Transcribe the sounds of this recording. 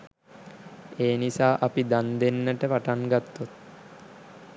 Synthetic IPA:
eːnisaːʔapid̪and̪enːəʈəpaʈaŋɡat̪ːut̪̚

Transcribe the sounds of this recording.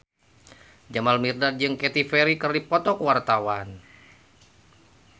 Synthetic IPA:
d͡ʒamalmirdad̪̚d͡ʒɨŋkɛt̪ifɛɾikɨrdipɔt̪ɔkwart̪awan

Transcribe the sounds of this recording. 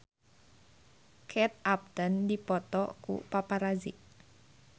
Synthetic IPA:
kʰɛt̪̚ap̚d̪əndipɔt̪ɔkṵpapaɾazḭʔ

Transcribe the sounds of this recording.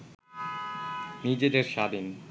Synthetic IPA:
nid͡ʑed̪eɾʃad̪in

